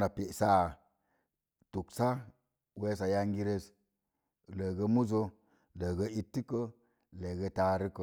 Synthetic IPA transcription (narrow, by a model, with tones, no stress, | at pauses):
na˨pe˨sa˦˨ | tu˨ksa˦ | we˧sa˨ja˧ŋɡi˧ɾe˧s | lə˨ɡə˧mu˦zo˧ | lə˨ɡə˧i˦tːi˦kə˦ | le˨ɡə˧ta˧ɾi˦kə˦˨